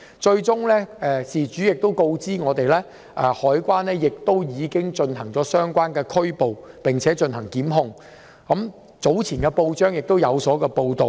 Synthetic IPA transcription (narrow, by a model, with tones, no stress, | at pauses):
t͡ʃɵ˧ɥt͡sʊ˥ŋlɛː˥ʔɛː˨siː˨˩t͡ʃyː˨˥jɪ˨k̚t̪o˥wko˧wt͡siː˥ŋɔː˨˧t̪e˨jlɛː˥ | ʔɛː˨˩hɔː˨˥jkʷwaː˥nlɛː˥jɪ˨k̚t̪o˥wjiː˨˧kɪ˥ŋt͡ʃɵ˧nɦɐ˨˩ŋt͡sɔː˨˥sœː˥ŋkʷaː˥nkɛː˧kʰɵ˥ɥpo˨wpɪ˨ŋt͡sʰɛː˨˥t͡ʃɵ˧nhɐ˨˩ŋkiː˨˥mɦʊ˧ŋ | kɐ˨˥m | t͡so˨˥wt͡sʰiː˨˩nkɛː˧po˧wt͡ʃœː˥ŋjɪ˨k̚t̪o˥wjɐ˨˧wsɔː˨˥kɛː˧po˧wt̪o˨w